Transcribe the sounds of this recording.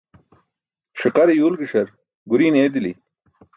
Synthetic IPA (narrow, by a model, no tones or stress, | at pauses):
ʂiqɐɾijuːlɡiʂɐɾ | ɡuɾiːneːd̪ili